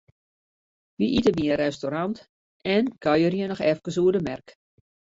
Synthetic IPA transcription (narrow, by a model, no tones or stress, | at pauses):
ʋiʔitəbiənɾɛstoɾɑnt | ɛnɡ̥ajərjənɔxɛfkəs̬uədəmɛrk